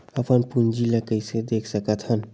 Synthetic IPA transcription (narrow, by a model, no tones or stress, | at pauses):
əpənpund͡ʒiləkəjsed̪ekʰsəkət̪hən